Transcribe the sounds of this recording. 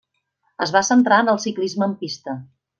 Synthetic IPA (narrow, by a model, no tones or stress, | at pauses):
əzβasənt̪ɾaənəlˠsiklizməːmpist̪ə